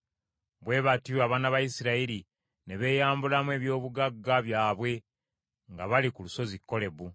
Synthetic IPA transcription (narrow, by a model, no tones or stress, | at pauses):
βwe̞ːβatiaβaːnaβajisiɾaiɾi | ne̞βe̞ːjaːmbulamwe̞ːβjo̞ːβuɡaɡːaβjaːβwe̞ | ŋɡaβalikuluso̞zikːo̞le̞βu